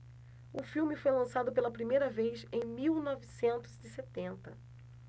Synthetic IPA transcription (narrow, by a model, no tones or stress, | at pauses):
ʊfiwmɪfojlɐ̃sad̪ʊpelɐpɾimejɾɐvejsẽj̃miwnɔvisẽnt̪ʊziset̪ẽnt̪ɐ